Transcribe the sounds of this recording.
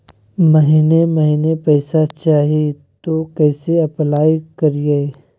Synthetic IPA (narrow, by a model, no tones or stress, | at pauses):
məɦiːneməɦiːnepɛːsat͡ʃaːɦi | t̪okɛːseɐplaːikɐɾie